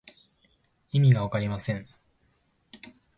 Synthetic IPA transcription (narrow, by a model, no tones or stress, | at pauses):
imʲiɡaβakaɾʲimasẽ̞ɴ